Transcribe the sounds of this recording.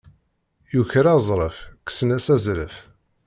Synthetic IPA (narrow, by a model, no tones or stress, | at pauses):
juçɾazˤɾˤəfksənæsæzɾəf